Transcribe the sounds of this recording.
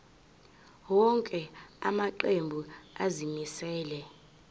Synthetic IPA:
wɔŋkʼɛa̰maǃembʱuazimisɛːlɛ

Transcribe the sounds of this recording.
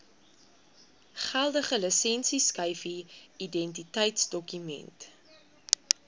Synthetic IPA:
χælˠdəχələsɛnsiskəjfiidɛnt̬itəjtsdɔkymɛ̰nt

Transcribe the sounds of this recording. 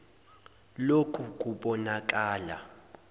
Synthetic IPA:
lokʰʼukʼuɓɔnak̬ʼaːla̰

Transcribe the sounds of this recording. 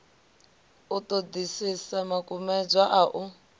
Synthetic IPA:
utod̪isisamakʼumɛd͡zʷwaʔaʔu

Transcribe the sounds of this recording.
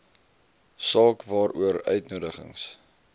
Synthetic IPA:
sɑːkvɑːɾuəɾœ̰ɥtnuədəχə̰ŋs

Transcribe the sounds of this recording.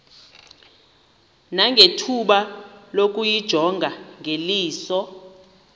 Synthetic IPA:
naŋɡʱetʰuɓalok̬ʼujid̥ʒ̥ʱɔŋɡʱaŋʱeliːsɔ

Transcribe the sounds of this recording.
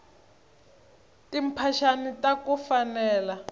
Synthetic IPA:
tim̩pʰaʃanitʼakufanɛːla

